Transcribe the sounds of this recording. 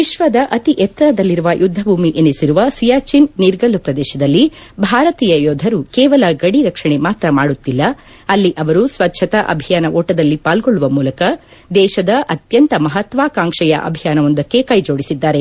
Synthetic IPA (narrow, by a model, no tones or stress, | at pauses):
ʋiʃʋɐd̪ɐʔɐt̪iʔɛt̪ːɐɾɐd̪ɐlːiɾuʋɐjʔud̪ʱːɐbʱuːmiʔenisiɾuʋɐsijaːt͡ʃinniɾɡɐlːupɾɐd̪ɛːʃɐd̪ɐlːibʱaːɾɐt̪iːjɐjoːd̪ʱɐɾukɛːʋɐlɐɡɐɽiɾɐkʂɐɳemaːt̪ɾɐmaːɽut̪ːilːɐ | ɐlːiʔɐʋɐɾusʋɐtːʃʰɐt̪ɐʔɐ̰bʱijaːnɐʔoːʈɐd̪ɐlːipaːlɡoɭːuʋɐmuːlɐkɐ | d̪ɛːʃɐd̪ɐʔɐt̪jɐnt̪ɐmɐɦɐt̪ʋaːkaːŋkʂɛjɐ̰ʔɐ̰bʱijaːnɐʋond̪ɐkːe̞kɐjd͡ʒo̞ːɽisid̪ːaːɾe̞